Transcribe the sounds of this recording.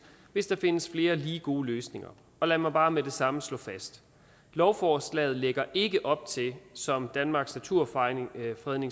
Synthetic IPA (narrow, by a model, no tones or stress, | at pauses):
ʋe̝sd̥ɑ̈fe̝nəsfle̝ːɐliːɡ̥o̝ːløːsne̝ŋɐ | ɒ̽lɛmɑ̈ɪb̥ɑ̈ːmed̥e̝sɑ̈məslɔ̰̽ːfæsd̥ | lɒʊfɒːslɛ̰ːð̩ˠleɡ̥ɐʔe̝ɡ̥əʔɒ̽b̥̚t͡sʰe̝lsɒ̽md̥ænmɑ̈ːɡ̥snæt͡sʰuɐ̰fʁɛðˠne̝ŋ